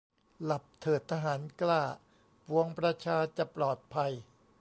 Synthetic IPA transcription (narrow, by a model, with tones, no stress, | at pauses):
la˨˩p̚t̪ʰɤː˨˩t̪ʰːa˧ɦaː˩˦nklaː˥˩ | pu˧əŋpɾa˧t͡ɕʰaː˧t͡ɕa˨˩plɔː˨˩t̪̚pʰa˧j